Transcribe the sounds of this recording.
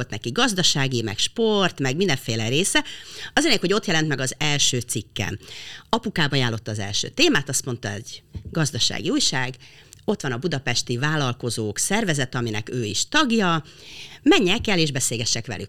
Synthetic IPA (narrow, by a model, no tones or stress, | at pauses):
lt̪nɛkiɡɒzd̪ɒʃaːɡimɛ̰kʃpo̞rt̪mɛɡmind̪ɛɱfeːlɛɾeːsɛɒzleɲɛkho̞ɟo̞t̪jɛlɛnt̪mɛɡɒzɛlʃøːt̪sikːɛ̰nɒpukaːbɒjaːlːo̞t̪ːɒːzɛ̰lʃø̰ːt̪eːmaːt̪ɒst̪mo̞nt̪ɒɛ̰ɟ̥ɡɒzd̪ɒʃa̰ːɡiuːjʃaːɡ | o̞t̪ʋɒnɒbud̪ɒpɛʃt̪ivaːlɒlko̞zoːksɛrvɛzɛt̪ɛɒminɛ̰køːiʃt̪ɒɡjɒ | mɛɲːɛkɛleːʒbɛseːlɡɛʃːɛkʋɛ̰ly̰k